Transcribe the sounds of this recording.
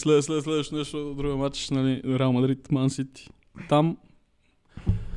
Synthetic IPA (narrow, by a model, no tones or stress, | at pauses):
slɛslɛd̪s̬lɛd̪vəʃt̪onɛʃt̪od̪ɾuɡomat͡ʃnaliɾɛɛlˠmɐd̪ɾit̪mansit̪ | t̪am